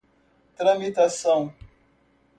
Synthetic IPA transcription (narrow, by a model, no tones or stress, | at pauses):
təɾamitasaŋ